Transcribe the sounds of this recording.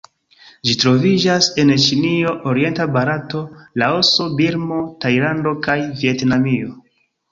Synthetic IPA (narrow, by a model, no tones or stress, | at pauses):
d͡ʒitɾo̞vid͡ʒase̞nt͡ʃinio̞ʔoɾie̞ntabaɾatolao̞so̞biɾmo̞tajlando̞kajvie̞tnamio̞